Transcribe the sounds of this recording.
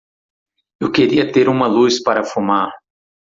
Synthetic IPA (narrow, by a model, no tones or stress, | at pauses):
ewkeɾiɐt̪eɾũmɐluspaɾɐfumaɾ